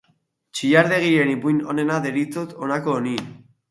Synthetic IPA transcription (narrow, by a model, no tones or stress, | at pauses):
t͡ʃiʎaɾðe̞ɣ̞ie̞nipujnone̞naðeɾit͡sot̪onakoːni